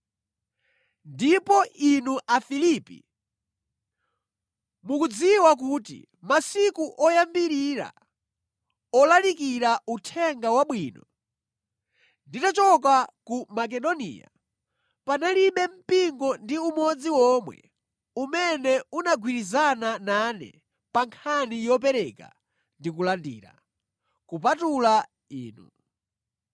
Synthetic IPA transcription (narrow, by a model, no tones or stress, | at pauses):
ndipɔinuʔafiliːpḭ | mukud͡ziwak̬utḭ | masikuʔɔjambiɾiɾa̰ | ɔlalikiɾautʰɛŋɡawaɓwiːnɔ | nditat͡ʃɔk̬akumak̬ɛɗɔnḭːja̰ | panaliɓɛm̩piŋɡɔndiumɔd͡ziwɔmwɛ̰ | umɛnɛunaɡwiɾizanananɛ̰ | paŋkʰanijɔp̬ɛɾɛka̰ | ndikulandḭːɾa̰ | kupatula | ḭːnṵ